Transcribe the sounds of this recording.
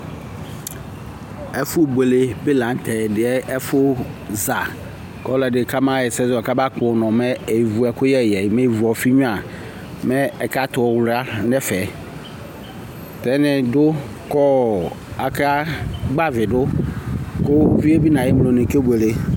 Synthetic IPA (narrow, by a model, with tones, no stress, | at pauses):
ɛ˦fʊ˦be˨le˨bɪ˦lã˨˦n˦tʰɛ˨dɪ˨ɛ˦ʔɛ˦fʊ˦za˨ | kɔ˦lɛ˨dɪ˨kʰa˦mã˦ɛ˨sɛ˦zɔ˨ka˦ba˦kʊ˨nɔ̃˨mɛ˦e˨vu˨ɛ˨kʊ˦jɛ˦˨jɛ˨mɛ˦˨vu˨ɔ˨fi˦ɲũ˦a˨ | mɛ̃˦ɛ˨ka˦t̪ʊ˨ɔ˨wɾa˦nɛ˦fɛ˨ | tɛ˨˦nɪ̃˨dʊ˦ | kɔ˦ | a˨ka˦ɡ͡ba˦vɪ˨dʊ˦ | kʊ˦vi˦e˦bi˦nã˨jɪ˦m˨lo˨nɪ̃˨ke˦be˨le˨